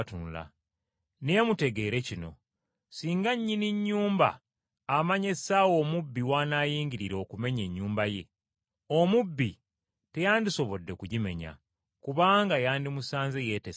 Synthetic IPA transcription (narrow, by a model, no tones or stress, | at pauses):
tunula̰ | neːmute̞ɡe̞ːɾe̞cino̞̰ | siːŋɡaɲːiniɲːuːmba̰ː | maɲe̞saːwo̞ːmubːiwaːnaːjiːɲɟiɾiɾoːkume̞ɲe̞ɲːuːmbaje̞̰ | o̞mubːi | te̞jaːndiso̞βo̞dːe̞kuɟime̞̰ɲa̰ | kuβaːŋɡajaːndimusaːnzeje̞te